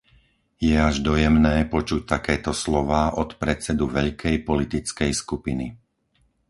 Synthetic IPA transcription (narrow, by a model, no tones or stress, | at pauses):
jɛaʒd̪ɔjɛmnɛːpɔt͡ʃuc̚t̪akɛːt̪ɔslɔʋaːʔɔt̪pɾɛt͡sɛd̪uʋɛʎkʰɛjpɔlit̪it͡skɛjskupini